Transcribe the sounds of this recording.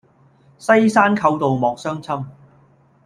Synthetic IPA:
sɐ˥jsaː˥nkʰɐ˧wt̪o˨wmɔː˨k̚sœː˥ŋt͡sʰɐ˥m

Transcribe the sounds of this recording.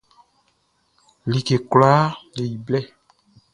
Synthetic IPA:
li˨ke˨klaː˦le˨i˨blɛ˦˨

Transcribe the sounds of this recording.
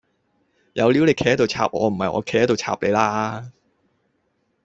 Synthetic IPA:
jɐ̰˨˧wli˨˥wle˨˧jkʰɛː˨˧ɛ˥t̪o˨wt͡sʰa̰ː˨p̚ʔɔ̰ː˨˧m̩˨˩hɐ˨jʔɔ̰˨˧kʰɛ˨˧khɛ˥to˨wt͡sʰa̰ː˧˨p̚le˨˧jlaː˥

